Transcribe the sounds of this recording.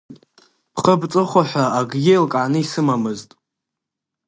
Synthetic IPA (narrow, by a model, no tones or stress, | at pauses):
pʰχəbt͡sʼɨχʷaħʷaaɡɡʲejlkʼʕanɨisɨmamɨztʼ